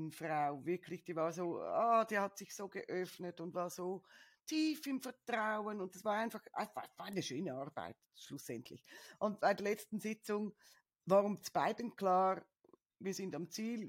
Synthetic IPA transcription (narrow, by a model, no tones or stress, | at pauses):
nfʁaʊvɪɐkʰlɪçd̥iːvaːʁzoːa̰ːd̥iːhatsɪçsoːɡəʔœfnətʊntvaːz̥oː | tʰiːfɪmfɛɐtʁaʊənʊndsvaːʁaɪnfɑχxʔa̰sasvaːaɪnəʃøːnəaʁba̰ɪtʃlusɛntʰlɪ̰çʔʊnt̚b̥aɪdeɐlɛt͡stn̩zɪt͡sʊŋ | vaːʁʊmt͡sb̥aɪdənkʰlaːʁ | viːɐzɪndamt͡siːl